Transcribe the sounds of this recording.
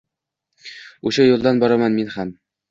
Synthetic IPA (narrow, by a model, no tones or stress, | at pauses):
uʃajulˠd̪ɑnbɒɾamɑnminhæm